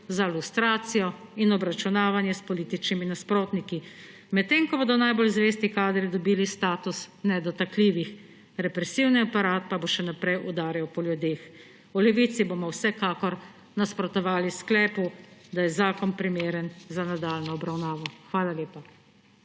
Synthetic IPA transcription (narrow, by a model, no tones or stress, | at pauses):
zalust̪ɾaːt̪sijɔinɔbɾat͡ʃunaːʋanjɛspɔliːt̪it͡ʃniminaspɾoːt̪niki | mɛt̪t̪ːeːŋkɔboːd̪ɔnajbolzʋeːst̪ikaːd̪ɾid̪ɔbiːlist̪aːt̪usnɛd̪ɔt̪akliːʋix | ɾɛpɾɛsiwniapaɾaːt̪̚paboʃɛnapɾɛjʔud̪aːɾjɛwpɔljud̪eːx | ulɛʋiːt̪sibomɔwsɛkaːkɔɾ | naspɾɔt̪ɔʋaːlisklɛːpud̪ajɛzaːkɔnpɾimeːɾənzanad̪aːlnɔɔbɾawnaːʋɔxʋaːlaleːpa